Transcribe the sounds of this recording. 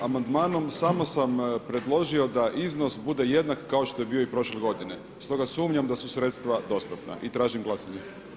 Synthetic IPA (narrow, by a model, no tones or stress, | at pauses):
amand̪maːno̞msaːmosampɾe̞d̪lˠo̞ʒio̞d̪aʔizno̞sbud̪e̞je̞d̪nakːao̞ʃt̪o̞je̞biːoipɾo̞ʃleɡo̞d̪ine̞ | st̪o̞ɡasuːmɲamd̪asusɾe̞t̪st̪ʋad̪o̞st̪apna̰ʔit̪ɾaːʒimɡlˠasaɲe